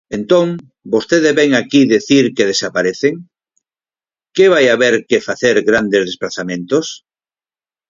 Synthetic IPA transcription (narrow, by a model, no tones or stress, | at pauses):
ent̪õŋ | bost̪eðezβɛŋakiðeθiɾkeð̞esapaɾeθeŋ | keβajaβeɾkefaθeɾɣɾand̪ezð̞esplaθamẽnt̪os